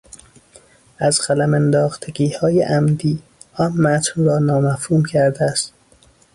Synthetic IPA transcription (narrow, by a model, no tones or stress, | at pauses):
æzɢælæmænd̪ɒːxt̪ʰeɡiːhɒːjḛʔæmd̪iː | ɒnmæt̪ʰnrɒːnɒːmæfhuːmcʰæɾd̪eæst̪